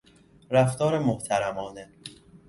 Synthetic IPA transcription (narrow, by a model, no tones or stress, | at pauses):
ɾæft̪ɒːɾemoht̪ʰæɾæmɒːne